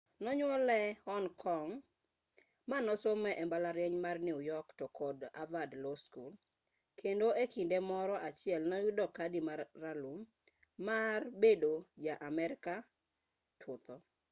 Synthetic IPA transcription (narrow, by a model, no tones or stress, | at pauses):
nɔɲwɔlɛhɔnkʰɔŋ | manɔsomɛʔɛmbalaɾjɛɲmarnɪujɔktɔkʰɔda̰vadloskul | kʰendoʔekindemɔɾɔʔat͡ʃɪɛlnɔjʊdɔkadimaːalumː | arbedod͡ʒaʔamɛɾɪka | tʰʊt̪ɔ